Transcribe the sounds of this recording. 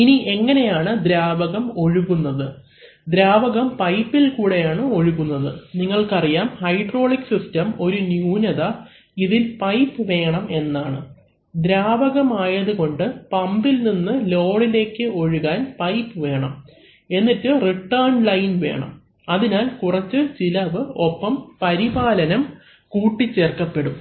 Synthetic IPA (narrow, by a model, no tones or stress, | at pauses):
iniʔe̞ŋːɐne̞jaːɳɨd̪ɾaːʋɐɣɐmo̞ɻuɣunːɐðɨ | d̪ɾaːʋɐɣɐmpɐjpːilkuːɽe̞jaːɳɨo̞ɻuɣunːɐðɨniŋːɐɭkɐrijaːmhɐjɖro̞ːɭiksistɐmo̞ɾunjuːnɐðɐ | iðilpɐjpːɨʋe̞ːɳɐme̞nːaːɳɨ̰ | d̪ɾaːbɐɣɐmaːjɐðuɣo̞ɳɖɨpɐmbilninːɨlo̞ːɽile̞ːkːɨo̞ɻuɣaːnpɐjpːɨʋe̞ːɳɐm | e̞nːitːɨriʈːɐːrɳlɐjnʋe̞̰ːɳɐ̰m | ɐðinaːlkurɐt͡ɕːɨt͡ɕilɐʋɨo̞pːɐmpɐɾibaːlɐnɐm | kuːʈːit͡ɕːe̞ːrkɐpːe̞ɽum